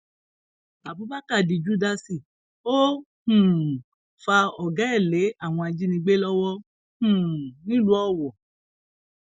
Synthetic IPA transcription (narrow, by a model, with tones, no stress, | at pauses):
a˨bu˨˦ba˦ka˦˨di˨d͡ʒu˦da˧si˨ | o˦ | hũ˨ | fa˧ɔ˨ɡa˨˦ɛ˦˨le˨˦a˦˨w̃ɔ̃˧a˧d͡ʒi˦nĩ˧ɡ͡be˦lɔ˦wɔ˦ | hũ˨nĩ˦lu˦ɔ˦˨wɔ˨